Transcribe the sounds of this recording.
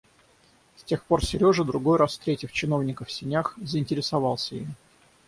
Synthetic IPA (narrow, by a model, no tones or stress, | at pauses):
sʲtʲe̞xpo̞rsʲɪɾʲo̞ʐɨd̪ɾʊɡo̞jɾasft̪ɾʲetʲɪft͡ɕɪno̞vnʲɪkəfsʲɪnʲaxzəɪnʲtʲɪɾʲɪsɐvɑlˠsʲəḭm